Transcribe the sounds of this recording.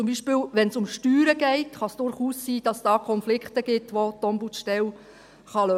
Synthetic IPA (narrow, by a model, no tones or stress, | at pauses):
t͡sʊmbiːʃpɪːwʋɛnsʊmʃtyːɾəɡɛɪtχɑsd̥ʊɾχuːsːiːd̥ɑsd̥ɑːkʰɔnflɪkχtəɡ̥ɪtʋot̪ɔmbuʃtɛw | χɑlø